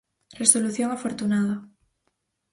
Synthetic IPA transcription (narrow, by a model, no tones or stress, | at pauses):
reso̞luθjoŋafoɾt̪unaðo